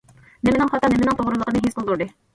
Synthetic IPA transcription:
nɪmɪnɪŋχɑt̪ɑnɪmɪnɪŋt̪ʰoʁɾɨlˠəqənɨɦezqolˠd̪uɾd̪ɨ

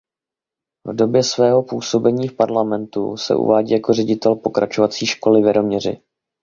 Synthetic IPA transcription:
vdo̞bjɛsvɛːɦo̞puːso̞bɛɲiːfpaɾlamɛnt̪ṵsɛ̰ʔṵvaːɟiːjako̞rɛɟɪt̪ɛlpo̞kɾʔat͡ʃovat͡siːʃko̞lɪvɛɾomɲɛrɪ̰

